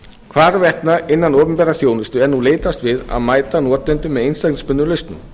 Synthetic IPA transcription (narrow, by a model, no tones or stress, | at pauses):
kʰvaːɾvɛht̪naɪnːanɔːpʏnpɛɾaθjownɪst̪ʏɛɾnuleːjt̪ast̪vɪða̰ðmaːjt̪anɔːt̪ɛnt̪ʏmːɛðejnst̪ak̚nɪ̃spʏnːʏɾlœjst̪nʏ̰